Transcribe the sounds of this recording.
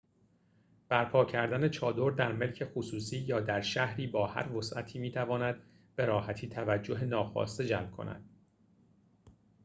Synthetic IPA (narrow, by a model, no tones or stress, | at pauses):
b̥æɾpʰɒːcʰæɾd̪æne̞t͡ʃʰɒːd̪o̞ɾd̪æɾme̞lcʰe̞xosuːsiːjɒːd̪æɾʃæhɾiːbɒːhæ̰ɾvosʔæ̰t̪ʰiːmiːt̪ʰævɒːnæd̪ | b̥e̞ɾɒːhæt̪ʰiːt̪ʰævæd͡ʒːo̞ɦenɒːxɒ̰ːst̪ed͡ʒælmkʰo̞̰næ̰d̪̥